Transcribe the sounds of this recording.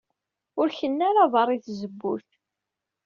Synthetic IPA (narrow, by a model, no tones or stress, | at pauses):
ʊɾçənːaɾavɑɾˤiθzəbːṵθ